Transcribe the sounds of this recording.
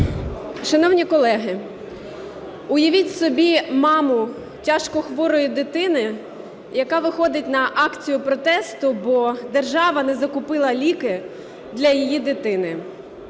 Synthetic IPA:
ʃɐnɔwnʲikɔlˠɛɦɪ | ʊjɐʋʲitʲsɔbʲimɑmʊ | tʲaʃkɔxʋɔɾʊjʊd̪ɪt̪ɪnɪ | jɐkɑʋɪxɔd̪ɪtʲnɐʔɑkt͡sʲijʊpɾɔt̪ɛst̪ʊbɔd̪erʒɑʋɐnɛzɐkʊpɪlˠɐlʲikɪ | d̪lʲɐjijid̪ɪt̪ɪnɪ

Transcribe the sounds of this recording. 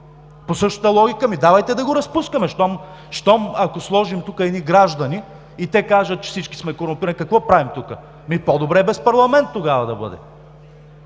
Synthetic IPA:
posɤʃt̪ə̥t̪əlˠɔɡʲikəmid̪avɐjt̪ɛd̪ɐɡoɾɐspuskɐmɛʃt̪ɔm | ʃt̪ɔmɐkoslˠɔʒimt̪ukəɛniɡɾaʒd̪ɐniː | t̪ɛkaʒɐt̪t͡ʃɛ̥fsit͡ʃki̥smɛkoɾʊmpiɾɐnikɐkvɔpɾavimt̪ukə | mipod̪obɾɛbɛspɐɾlˠɐmɛnt̪ːoɡavɐd̪ɐbɤ̰d̪ɛ̰

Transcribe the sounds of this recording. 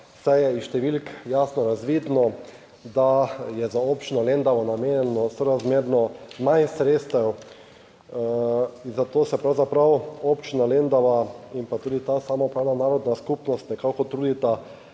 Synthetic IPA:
sajɛiʃt̪ɛʋilkjaːsnɔɾazʋiːd̪nɔ | d̪ajɛzaopt͡ʃinɔlend̪aʋɔnameːnjɛnɔsɔɾazmeːɾnɔmajnsɾet̪st̪ɛw | inzat̪oːsɛpɾawzapɾawopt͡ʃinalend̪aʋaimpat̪uːd̪it̪asaːmɔpɾaːwnanaːɾɔd̪naskupnɔst̪nɛkakɔt̪ɾuːd̪it̪a

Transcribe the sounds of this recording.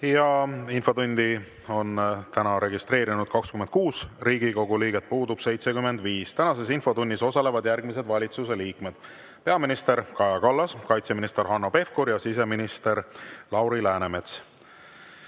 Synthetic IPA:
jɑinfo̞d̪unʲd̪̥i | o̞nt̪ænɑɾe̞ɡist̪re̞ːɾinud̪̥kɑkskymend̪̥kuːsriːɡ̥iko̞ɡ̥uliːɡet̪̚puːd̪ub̥se̞jt̪se̞kyme̞nd̪viːst̪ænɑse̞sinfo̞t̪unʲːiso̞sɑle̞vɑd̪jærɡmise̞d̪vɑlʲit̪suse̞liːkme̞d̪̥ | pe̞ɑminist̪e̞ɾkɑjɑkɑlːɑskɑjt̪seminist̪e̞ɾɦɑnːo̞pe̞fkuɾjɑsis̬e̞minist̪e̞ɾlɑwɾilæːneme̞t̪s

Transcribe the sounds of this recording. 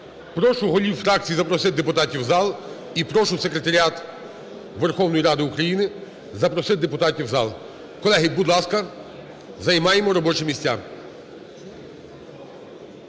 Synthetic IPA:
pɾɔʃʊɦɔlʲiwfɾɑk̚t͡sʲijizɐpɾɔsɪd̪epʊt̪ɑtʲiwzɑlˠ | ipɾɔʃʊwsekɾet̪ɐɾʲiɑt̪ | ʋerxɔwnɔjiɾɑd̪ɪʊkɾɐjinɪ | zɐpɾɔsɪd̪e̞pʊt̪ɑtʲiwzɑlˠ | kɔlˠɛɦɪbʊd̪lˠɑskɐ | zɐjmɑjemɔɾɔbɔt͡ʃɪmʲisʲtʲːa

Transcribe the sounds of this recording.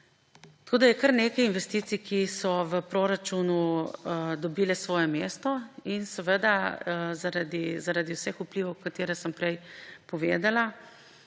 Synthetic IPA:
t̪ɐ̥kʰoːd̪ajɛkəɾneːkɛjinʋɛst̪iːt̪sikʰisɔʋəpɾoɾat͡ʃunu | d̪ɔbilɛsʋɔːjɛmeːst̪ɔinsɛʋəd̪azaɾad̪izaɾad̪iwsɛxupliʋɐwkat̪eːɾɛsəmpɾɛjpɔʋeːd̪ala

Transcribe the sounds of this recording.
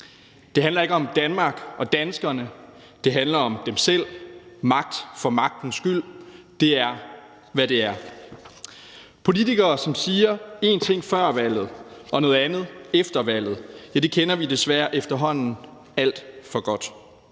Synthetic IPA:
d̥e̝ɦænlɐe̝ɡ̥əɒ̽md̥ænmɑ̈ːɡ̥ɒ̽d̥ænsɡ̥ɐnə | d̥e̝ɦænlɐɒ̽md̥emsel̰mɑ̈ɡ̥̚d̥fɒ̽mɑ̈ɡ̥̚d̥n̩sɡ̥yl̰ | d̥e̝æɐ | ʋæde̝æɐ | pʰo̝lit͡sʰiɡ̥ɐːsɒ̽msiːɐe̝nt͡sʰe̝ŋ̰fɶɐ̰ʋæl̰ð̩ˠɒ̽nɔ̽ːð̩ˠænð̞̩ˠefd̥ɐʋæl̰ð̞̩ˠjæd̥e̝kʰenɐʋid̥e̝sʋæːɐʔefd̥ɐɦɒ̽n̰n̩ | æl̰d̥fɒ̽ɡ̥ɒ̽d̥

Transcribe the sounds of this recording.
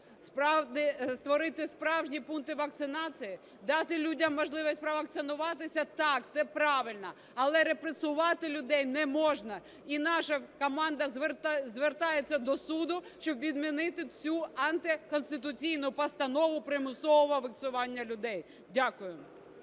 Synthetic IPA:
spɾɑd̪ɪst̪ʋɔɾɪt̪ɪspɾɑwʒnʲipunt̪ɪʋɐk̚t̪sɪnɑt͡sʲiji | d̪ɑt̪ɪlʲudʲɐmːɔʒlˠɪʋɔsʲpɾɔʋɐk̚t̪sɪnʊʋɑt̪ɪsʲɐt̪ɑkt̪ɛpɾɑʋɪlʲnɐ | ɐlˠɛɾepɾesʊʋɑt̪ɪlʲʊd̪ɛjnɛmɔʒnɐ | inɑʃɐkɔmɑnd̪ɐzʋt̪zʋert̪ɑjet͡sʲːɐd̪ɔsud̪ʊʃt͡ʃɔbʋʲid̪mʲinɪt̪ɪt͡sʲuɐnt̪ɪkɔnst̪ɪt̪̬ʊt͡sʲijnʊpɐst̪ɐnɔʋʊpɾɪmʊsɔʋɔʋɔʋɪk̪sʊʋɑnʲːɐlʲʊd̪ɛj | dʲakʊjʊ

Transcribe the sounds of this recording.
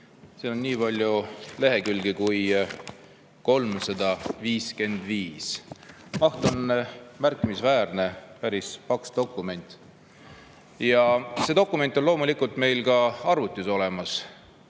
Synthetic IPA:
seːonniːpɑlʲjule̞ɦe̞kylɡ̥ikuj | ko̞lmsɑd̪̥ɑviːske̞nd̪̥viːsmɑht̪o̞nmærkːˑimisvæːɾne̞pæɾispɑksd̪̥o̞kːˑume̞nʲt̪ˑ | jɑse̞d̪o̞kːˑume̞nt̪ːˑolo̞ːmulikˑult̪me̞jlkɑɑrvut̪ʲːˑuso̞le̞mɑs

